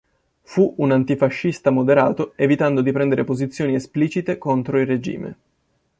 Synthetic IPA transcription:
fuunant̪ifaʃːist̪amod̪eɾaːt̪oevit̪and̪od̪ipɾɛnd̪eɾepozit̪sːjoːniɛspliːt͡ʃit̪ekont̪ɾoilred͡ʒḭːmḛ

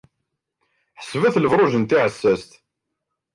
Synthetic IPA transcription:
ħə̥svæθləfɾˤoʒənt̪iʕəsːæst̪

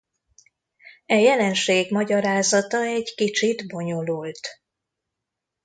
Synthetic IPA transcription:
ɛjɛlɛnʃeːɡmɒɟɒɾaːzɒt̪ɒɛɟkit͡ʃid̪bo̞ɲo̞lult̪

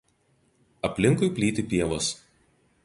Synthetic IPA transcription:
ɐpʲlʲɪŋkʊɪpʲlʲiːt̪ʲɪpʲiɛʋoːs

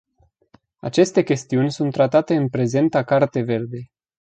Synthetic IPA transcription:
a̰t͡ʃe̞st̪e̞kʲe̞st̪iunʲsunt̪ːɾat̪at̪e̞ɨnpɾe̞ze̞nt̪akart̪e̞ve̞rd̪e̞j

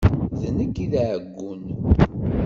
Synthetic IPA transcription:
ðnəkːiðæʕəɡːʊn

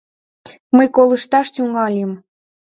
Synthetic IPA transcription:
məjkoləʃt̪ɑʃt̪yŋɑlʲem

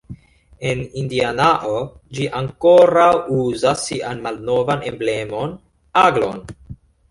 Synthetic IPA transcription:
e̞nindianaʔod͡ʒiʔaŋko̞ɾawuzasːiʔanmalno̞vane̞mble̞mo̞n | aɡlo̞̰n

